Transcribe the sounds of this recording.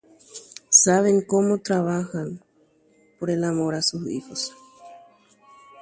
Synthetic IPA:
saβeŋkomot̪ɾaβaxan | poɾelamoɾasusḭxos

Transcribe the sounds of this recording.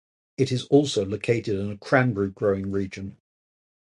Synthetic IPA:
ɪtɪzɔˑlˠsəʊləʊkʰeɪtɪdɪ̃nəkʰɹ̥ãmbɹiɡ̥ɹəʊɪ̃ŋɹiːd͡ʒə̃n

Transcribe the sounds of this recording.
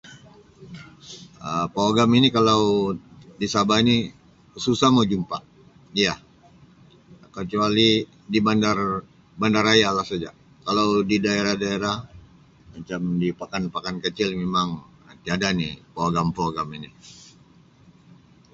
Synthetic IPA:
əpoaɡaminikalawdisabaini | susahmad͡ʒumpa | ija | kət͡ʃuali | dibandar | bandaɾajalahsad͡ʒa | kalawdidaeɾahdaeɾah | mat͡ʃamdipakanpakankət͡ʃɪlmemaŋ | t̪iadanipoaɡampoaɡamini

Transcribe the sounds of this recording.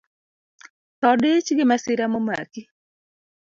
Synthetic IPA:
t̪ɔdɪt͡ʃɡɪmasɪɾamɔma̰ki

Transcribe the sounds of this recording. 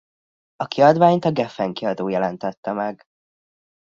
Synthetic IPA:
ɒkiɒd̪ʋaːɲt̪ɒɡɛfɛŋkiɒd̪oːjɛlɛnt̪ɛt̪ːɛmɛɡ

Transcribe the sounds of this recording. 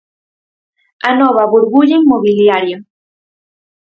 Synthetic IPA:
anɔβ̞aβuɾβuʎeiŋmoβiljaɾjo

